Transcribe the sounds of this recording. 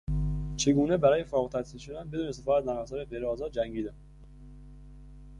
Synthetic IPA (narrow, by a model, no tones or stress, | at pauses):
t͡ʃʰe̞ɡuːnebæɾɒːjefɒːɣt̪ʰæsiːlʃod̪ænbe̞d̪uːnesefɒːæznæɣælsɒːɾeɣejɾeɒːzɒːd̪̚d͡ʒæŋɡiːd̪æm